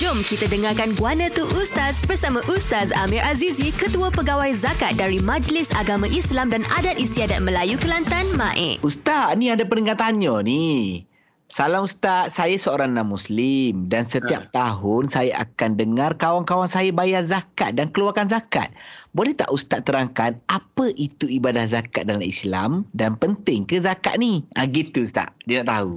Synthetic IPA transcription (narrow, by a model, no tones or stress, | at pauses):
d͡ʒʊmkit̪adəŋarkanɡuanə̃t̪uʔust̪asbərsamãʔust̪asa̰miɾʔazizikət̪uapəɡawajzakat̪̚daɾimãd͡ʒlɪsaɡamãʔislamdanadat̪̚ist̪iadat̪̚məlajukəlant̪anmã̰ʔɛ̰ʔust̪anĩadapəniŋat̪aɲɔni | salamust̪at̪̚sajasəoɾaŋnamuslimdansət̪iap̚t̪aɦʊnsajaʔa̰kandəŋarkawaŋkawaŋsajabajarzakat̪̚dankəluarkanzaka̰t̪̚bolɛht̪a̰ʔust̪at̪ːəɾaŋkanapəʔit̪uibadahzakat̪̚dalamisla̰mdanpənt̪ɪŋkəzaka̰ʔ̪̚niʔaɡit̪ːuust̪a̰ʔdiənaʔt̪aɦu